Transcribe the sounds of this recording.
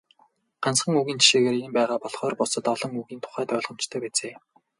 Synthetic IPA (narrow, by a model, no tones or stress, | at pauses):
ɢ̥ansχə̆ŋuɣiːnt͡ɕʰi̥ʃeːɣeːrempæːʁaːpɔɮχɔːrpʊsɞ̆t̪ɔɮɞ̆ŋuɣiːnt̪ʰʊ̥χæːt̪œːɮʁɞ̆mt͡ɕt̪ʰœːpæːt͡seː